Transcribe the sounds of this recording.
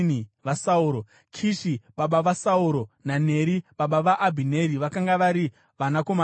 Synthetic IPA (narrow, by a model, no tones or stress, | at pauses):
niʋasauːɾo | kʰiʃiɓaɓaʋasauɾo̞nane̞ɾiɓaɓaʋaʔːbʱine̞ɾiʋakaŋɡaʋaɾi | ʋanakoma